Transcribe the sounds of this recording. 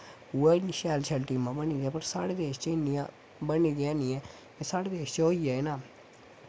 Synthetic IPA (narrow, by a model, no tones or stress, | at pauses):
uaːnʃɛːlt͡ʃʰɛlʈiːmãːbəniːd̪ɛːpəɾsaːɽeːd̪eːʃt͡ʃenijã | bəniːd̪ijãːniːɛː | esaːɽeːd̪eːʃt͡ʃoːiaeːnaː